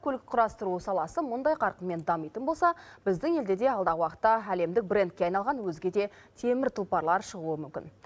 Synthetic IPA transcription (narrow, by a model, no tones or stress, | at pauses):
kʰʲɵlɪkʲqʰʊɾɑst̪əɾuəsɑlˠɑsəmʊnd̪ɑjqʰɑɾqənmːe̞nd̪ɑmijt̪ənbo̞lˠsɑbɪzd̪ɪŋe̞ld̪e̞d̪e̞ɑlˠd̪ɑʁəwɑqə̥t̪ːɑæle̞md̪ɪk̚bre̞nt̪̚kʲeɑjnɑlˠʁɑnwɵzɡʲe̞d̪e̞ | t̪ʰe̞mɪɾt̪ʰʊlˠpɑɾlˠɑɾʃəʁuəmʏmkʲɪ̰n